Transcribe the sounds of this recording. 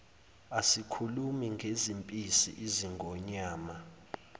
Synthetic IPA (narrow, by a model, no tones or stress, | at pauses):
asikʰulumiŋɡʱezimpʼisḭʔiziŋɡʱɔɲaːma